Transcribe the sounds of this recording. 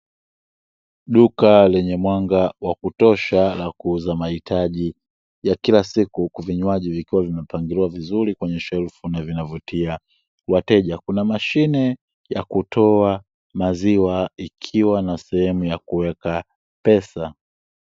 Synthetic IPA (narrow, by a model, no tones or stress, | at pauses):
ɗukalɛɲɛmwaŋɡawakutɔʃalakuuzamahitʰaʄi | jakilasikukuviɲwaʄivikiwavimɛpaŋɡiliwavizuɾikwɛɲɛʃɛlfunavinavutia | watɛʄakunamaʃinɛ | jakutʰɔa | maziwaikʰiwanasɛhɛmujakuwɛka | pɛsa